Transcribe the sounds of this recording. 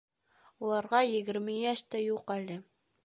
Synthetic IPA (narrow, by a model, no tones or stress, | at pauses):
ulˠɑɾʁɑjɘ̆ɡɘ̆ɾmɘjæʃt̪æjuqælɘ